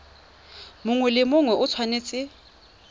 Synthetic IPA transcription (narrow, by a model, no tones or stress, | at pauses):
mʊŋwɛlɪmʊŋwɛʊt͡sʰwaneːt͡sʼɪ